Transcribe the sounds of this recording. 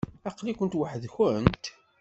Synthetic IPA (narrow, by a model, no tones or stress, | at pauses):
æqlikʷənt̪waħəðçənt̪